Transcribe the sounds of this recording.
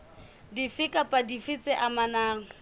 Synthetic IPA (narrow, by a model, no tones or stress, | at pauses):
difɪkʼapʼadifɪt͡sʼɛʔamanaːŋ̩